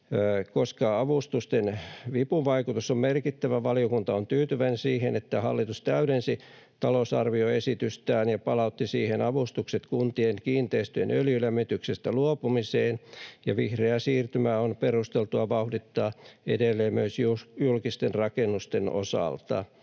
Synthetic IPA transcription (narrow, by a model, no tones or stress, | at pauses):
koskɑɑʋust̪ust̪enʋipuʋɑikut̪usommerkit̪ːæʋæʋɑlijokunt̪ɑont̪yːt̪yʋænsiːhenet̪ːæhɑ̰lːit̪ust̪æyɾensi | t̪ɑlosɑ̰rʋioesit̪yst̪æːnjɑpɑlɑut̪ːisiːhenɑʋust̪ukset̪kunt̪ieŋkiːnt̪eist̪yḛnʔøljylæmːit̪yksest̪æluopumiseːnjɑʋihreæsiːrt̪ymæːonperust̪elt̪uɑʋɑuhdit̪ːɑːḛdelːeːmmyøsjujulkist̪enrɑkenːust̪eno̰sɑ̰lt̪ɑ̰